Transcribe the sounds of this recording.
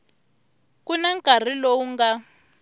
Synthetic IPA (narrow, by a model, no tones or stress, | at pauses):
kunaŋkʼar̤ilowuŋɡa